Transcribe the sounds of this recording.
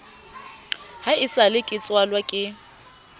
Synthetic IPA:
haɪsalɪkʼɪt͡sʼwalwakʼɪ

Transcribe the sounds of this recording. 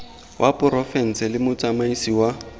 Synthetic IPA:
wʔapʼʊɾɔfɛn̩sɛlɪmʊt͡sʼamaisiwa

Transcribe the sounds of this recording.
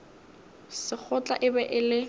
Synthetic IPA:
sɪk͡xʰʊt͡ɬʼa̰ʔɪbɛʔɪlɪ

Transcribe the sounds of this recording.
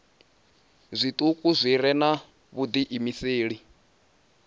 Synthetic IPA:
zʷit̪ʼukʼuzʷiɾɛna | βud̪iʔimiseːɺi

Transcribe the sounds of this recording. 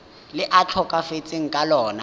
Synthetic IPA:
lɪʔat͡ɬʰɔkʼafet͡sʼɪŋ̩kʼalɔːna

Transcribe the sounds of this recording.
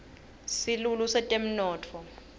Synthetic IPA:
silulusɛtʼem̩nɔːtʰɔ

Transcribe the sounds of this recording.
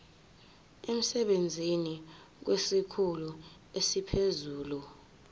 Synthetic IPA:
em̩sɛɓend͡zʱini | k̬wesikʰulu | esipʰezuːlu

